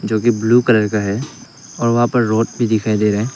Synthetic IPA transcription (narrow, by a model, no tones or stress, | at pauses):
d͡ʒoːkibluːkɐləɾkaɦɛː | ɔːɾʋɐɦãpɐɾːoːʈ̚bʱid̪ɪkʰaːed̪eːɾɐɦẽː